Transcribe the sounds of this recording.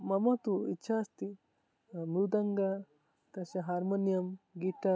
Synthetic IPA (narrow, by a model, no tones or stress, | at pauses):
mɐmɐt̪uitːʃʰaɐst̪i | mɾud̪ɐŋɡa | t̪ɐʃɐɦaːɾmɐnjɐmɡiʈɐ